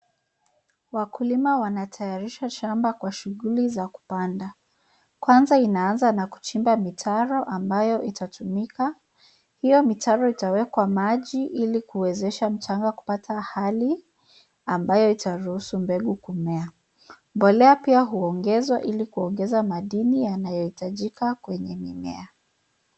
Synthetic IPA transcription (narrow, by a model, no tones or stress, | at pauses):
wakulimawanatʰajaɾiʃaʃambakwaʃuɣulizaku̥panda | kwanzainaanzanaku̥t͡ʃimbamitʰaɾɔʔambajɔʔitatumika | hijɔmitaɾɔitawɛkwamaʄiʔilikuwɛzɛʃam̩t͡ʃaŋɡaku̥patʰahali | ambajɔitaɾuhusumbɛɠukumɛa | mbɔlɛapiaɦuɔŋɡɛzwaʔilikuɔŋɡɛzamaɗinijanajɔhitaʄikakwɛɲɛmimɛ̰a